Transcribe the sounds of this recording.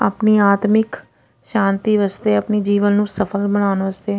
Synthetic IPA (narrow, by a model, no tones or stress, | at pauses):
a̰pniːaːt̪mɪk | ʃãːnt̪iːʋəst̪eːəpniːd͡ʒiːʋənːũːsəpʰəlbənaːnʋəst̪eː